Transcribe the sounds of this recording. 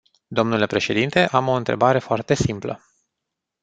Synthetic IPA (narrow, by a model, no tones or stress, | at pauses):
d̪o̞mnule̞pɾe̞ʃe̞d̪int̪e̞ʔamo̞ɨnt̪ɾe̞̰baɾe̞foart̪e̞simplə̰